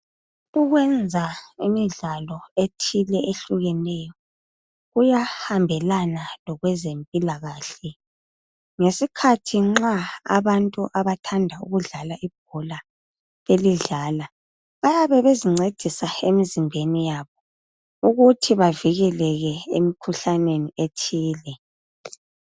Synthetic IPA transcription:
uɣwɛnd͡zʱaimiɮalɔetʰilɛʔeɬuɣɛnɛjɔ | ɣujahambʱɛlanalɔɣwɛzempʼilaɣaːɬɛ | ŋesikʰatʰiŋ͡ǁaa̰βantʼuʔaβatʰandʱaṵɣuɮalaʔib̥̚ʱɔla | βeliɮaːla | βajaβɛβeziŋ͡ǀed̥ʱisaemizimbʱenijaβɔ | uɣutʰiβaviɣɛlɛɣɛḛmikʰuɬanenietʰiːlɛ

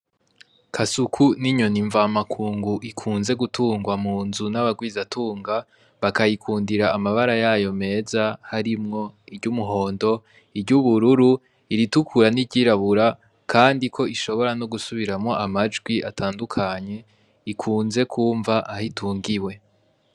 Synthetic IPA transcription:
kʰasukʰuniɲo̞niɱvamakʰuːŋɡuʔikʰuːnze̞ɡutuːŋɡwamuːnzunaβaɡwiːzatʰuːŋɡa | βakajikʰuːndiɾaːmaβaɾajajo̞me̞ːzahaɾimŋo̞iɾɟumuɦo̞ːndo̞ | iɾɟuβuɾuɾu | iɾitukʰuɾaniɟiːɾaβuɾa | kʰaːndikʰo̞iʃo̞βo̞ɾanoɡusuβiɾamŋo̞ʔamad͡ʒɡwiatʰaːndukʰaɲe̞ | ikʰuːnze̞kʰuːɱvaʔahitʰuːŋɡiwe̞

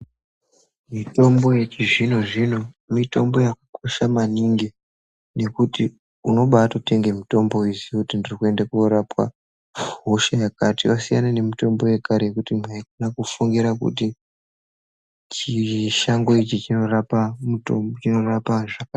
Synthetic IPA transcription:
mito̞mbo̞jet͡ʃiʐino̞ʐino̞ | mito̞mbo̞jakḁkʰoʃamaniŋɡi | ne̞kuti | uno̞ɓaːtote̞ŋɡemito̞mbo̞izikutindirikue̞ndakuoɾapwa̰ | ɦoʃajakatiwasijanane̞mito̞mbo̞je̞kaɾejekutimwaikunakufuŋɡiɾakṵti | t͡ʃiʃaŋɡo̞it͡ʃit͡ʃino̞rapamutobot͡ʃino̞rapaʐaka

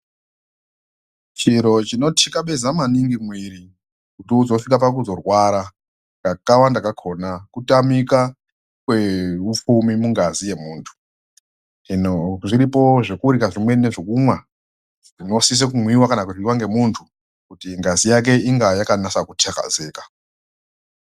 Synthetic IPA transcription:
t͡ʃiɾo̞t͡ʃino̞tʰikaɓe̞zamaniŋɡimwiɾi | kutiuzo̞fikapak̬uzo̞rwaɾa | ŋkakawandakakʰo̞nakutamika | kwe̞up͡fumimuŋɡazije̞muːntʰu̥ | ʐinoʐiɾipo̞ʐe̞kuuɾikaʐimwe̞ne̞ʐekumwa | ʐino̞sis̬ekumwiwakanakuʐiwaŋɡe̞muntʰu | kutiŋɡazijak̬e̞iŋɡajakanasakutʰeka̰ze̞ːkḁ

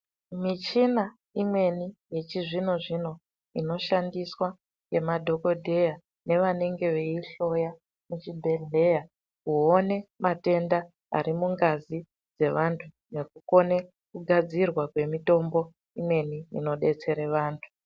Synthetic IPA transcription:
mit͡ʃina | imwe̞nije̞t͡ʃiʐino̞ʐino̞ | ino̞ʃandiswa | ɡe̞madʱo̞ko̞dʱe̞ja | ne̞ʋane̞ŋɡe̞ʋeiɬo̞ja | mut͡ʃibʱe̞ɮe̞ja | kuone̞mate̞nda | a̰ɾimuŋɡazi | d͡ze̞ʋantʰu | ne̞kuko̞ne̞ | kuɡʱad͡zirwakwe̞mito̞mbo̞ | imwe̞niḭno̞ɗe̞t͡se̞ɾeʋaːntʰu̥

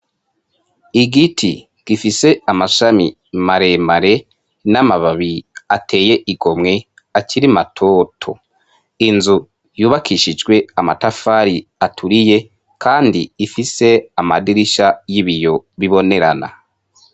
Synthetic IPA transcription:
iɡitʰi | ɡ̥ifise̞amaʃami | maɾe̞maɾe̞ | namaβaβiate̞ːje̞ʔiɡo̞mŋe̞ | aciɾimatʰo̞ːtʰo̞̰ | inzu | juːβakʰiʃid͡ʒɡwe̞amatafaɾiatʰuɾije̞ | kʰaːndiːfise̞amadiɾiʃajiβijo̞βiβo̞ne̞ɾana̰

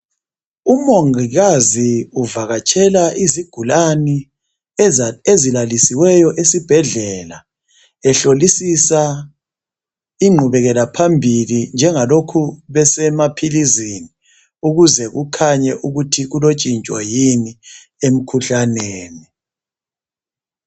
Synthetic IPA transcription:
umoŋiɣaziuvaɣat͡ʃʼʰɛlaʔiziɡ̥ʱulani | ezilalisiwɛjɔʔesib̥ʱɛɮɛla | ɛɬolisisa | iŋ͡ǃʱuβɛɣɛlapʰambʱilind͡ʒʱɛŋalokʰuβɛsɛmapʰilizini | uɣuzɛɣukʰaɲɛʔuɣutʰiɣulot͡ʃʼint͡ʃʼwa̰jini | em̩kʰuɬaneːni

